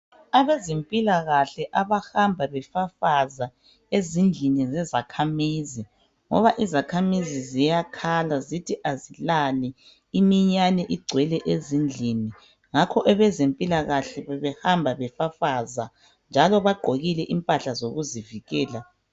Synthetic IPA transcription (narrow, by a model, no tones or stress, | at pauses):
aβezempʼilaɣaɬɛʔaβahambʱaβɛfafaza | ezind͡ɮʱinizɛzakʰamizi | ŋɔ̰βaʔizakʰamizizijakʰalazitʰiʔazilalɛ | imiɲanɛʔiɡ͡ǀʱwɛlɛʔezind͡ɮʱini | ŋakʰɔʔɛβɛzempʼilaɣaɬɛβɛβɛhambʱaβɛfafaza | nd͡ʒʱalɔβaɡ͡ǃʱoɣilɛʔimpʼaɬazoɣuziviɣɛːla